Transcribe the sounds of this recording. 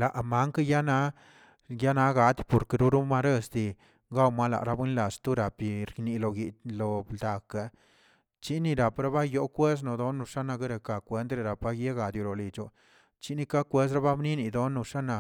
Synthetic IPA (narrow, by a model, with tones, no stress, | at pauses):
la˨ʔma˦ŋka˦ja˦na˦ | ja˦na˦ɡa˧d̪po˨ɾke˧˨ɾu˦ɾu˦ma˦ɾe˦sd̪i˨ | ɡa˦wma˦la̰˨ɾa˦bwi˦nla˨st̪u˦ɾa˨pi˨ɾkni˨lo˨ɡi˨t̪lo˨bd̪a˨ka˨ | t͡ʃi˦ni˧ɾa˨pɾa˦ba˦jo˦kwe˦s̬no˨d̪o˦nːu˧ʂa˦na˧ɡe˦ɾe˨ka˨kʷe˦nt̪ɾe˧ɾa˨pa˦je˦ɡa˨d̪ju˨lo˨li˨t͡ʃo˨ | t͡ʃi˦ni˧ka˦kʷwe˦s̬ɾa˦ba˦bni˦ni˨d̪o˦nu˧ʂa˦na˨